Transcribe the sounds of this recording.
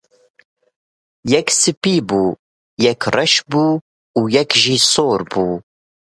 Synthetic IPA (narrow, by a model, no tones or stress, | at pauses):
jɛksɨpiːbuː | jɛkrɛʃbuː | uːjɛkʒiːsoːɾbuː